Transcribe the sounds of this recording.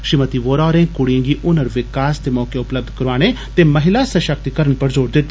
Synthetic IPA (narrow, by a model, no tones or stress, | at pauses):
ʃɪmət̪iʋoːɾaːɾẽːkʊɽijẽːŋɡiʔʊnəɾʋɪkaːst̪emɔːkeʊpləb̚d̪ʱkɐɾʋaːɽ̃e | t̪emɐɦɪlasɐʃək̚t̪ikəɾəɳpɐɾzoːɾd̪ɪt̪ː